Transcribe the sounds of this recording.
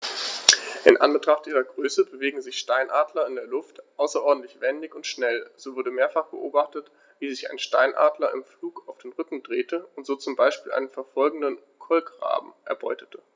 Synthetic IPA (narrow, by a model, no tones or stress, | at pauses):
ʔɪnʔa̰nbətʁ̥aχtʔiːʁɐɡʁøːsəbəveːɡŋ̩zɪçʃtaɪnʔaːdlɐɪndeːɐlʊftʔaʊsɐʔɔɐdn̩tlɪçv̥ɛndɪçʊntʃnɛlz̥oːvʊɐdəmeːɐfaχb̥əʔoːbaχtət | viːzɪça̰ɪnʃtaɪnʔa̰ːdlɐɪmfluːkaʊfd̥eːnʁʏkŋ̩dʁeːtəʊntz̥oːt͡sʊmbaɪʃpiːlʔa̰ɪnənfɛɐfɔlɡŋ̩dən | kʰɔlkʁa̰ːbm̩ʔɛ̰ɐbɔ̰ʏtə̥tʰə